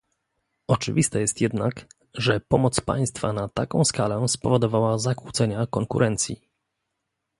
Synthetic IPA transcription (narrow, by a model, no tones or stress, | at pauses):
ɔt͡ʂɘ̰vʲist̪ajɛst̪jɛd̪nak | ʐɛpɔmɔt̪spa̰j̃st̪fa̰nat̪akɔ̃w̃skalɛspɔvɔd̪ɔvawazakwut̪sɛɲakɔŋkṵɾʔɛnt̪sʲjḭ